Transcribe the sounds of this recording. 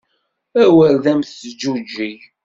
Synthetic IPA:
æwəɾðæmθd͡ʒud͡ʒːi

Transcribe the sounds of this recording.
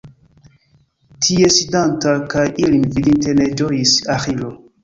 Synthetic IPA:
tʰiesidantakajʔilinvidintened͡ʒojisaxilo

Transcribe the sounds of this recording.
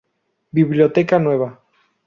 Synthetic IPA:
biβljot̪ekanweβa

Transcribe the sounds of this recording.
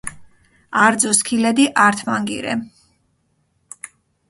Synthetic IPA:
aɾd̪zɔskʰilɛd̪iʔaɾt̪ʰmaŋɡḭɾɛ̰

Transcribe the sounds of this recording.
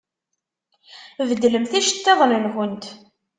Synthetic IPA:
vəd̪ːləmθæʃə̥t̪ːeðˤlənxənt̪

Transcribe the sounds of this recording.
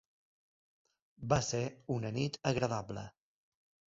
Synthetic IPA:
baseunənit̪əɣɾəðablə̰

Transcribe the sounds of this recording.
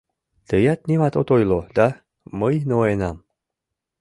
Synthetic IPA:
t̪əjat̪nʲimat̪ot̪ojlod̪a | məjnooenam

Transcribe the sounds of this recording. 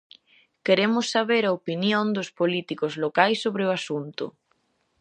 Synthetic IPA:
keɾemʊsːaβeɾɐopinjõnd̪ʊspolit̪ikʊzlokajsːoβɾɪʊasunt̪ʊ̰

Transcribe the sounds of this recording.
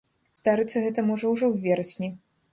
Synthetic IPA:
zd̪aɾɨt̪sːɐɣɛt̪ɐmɔʐɔwʐɔwvʲɛɾɐsʲnʲi

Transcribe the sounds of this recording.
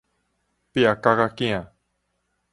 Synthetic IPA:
piakaɣakĩã

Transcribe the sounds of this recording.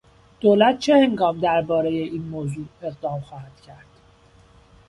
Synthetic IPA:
d̪̥oːlæt̪̚ʰt͡ʃʰeheŋɡɒːmd̪æɾbɒːɾe̞jeʔiːnmoːzuːe̞ɣd̪ɒːmxɒːhæd̪̥cʰæɾd̪̥

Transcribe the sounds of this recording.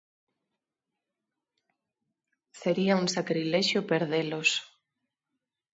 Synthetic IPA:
seɾiauŋsakɾilɛʃjopeɾðelos

